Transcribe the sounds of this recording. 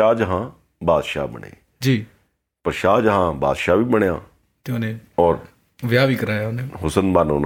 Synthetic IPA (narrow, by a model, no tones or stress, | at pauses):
aːd͡ʒɦãː | baːd̪ʃa̰ːbə̰ɳ̃ḛː | d͡ʒiː | pəɾʃaːd͡ʒɦãːba̰ːd̪ʃaːʋiːbəɳ̃jãː | t̪eonẽːɔːɾ | ʋɪjaːʋiːkəɾaːjaːʊnẽːɦʊsənbanoːn